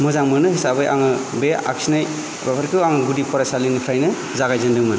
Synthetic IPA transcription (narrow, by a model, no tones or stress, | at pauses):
mɔzaŋmɯnɯhisabɯjʔa̰ŋɯbea̰ksinaj | bapʰaɾkʰɯwaŋɯɡudipɔɾasalinɯpʰɾajnɯ | zaɡajzɯndɯŋmɯn